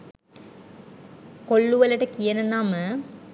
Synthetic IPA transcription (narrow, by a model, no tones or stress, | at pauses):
koɭːuʋɐlɐʈɐkijɐnɐnaːmə